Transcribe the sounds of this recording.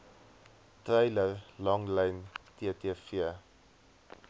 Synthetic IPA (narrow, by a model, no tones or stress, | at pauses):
trɛjlərlɐŋlɛjntiətiəfiə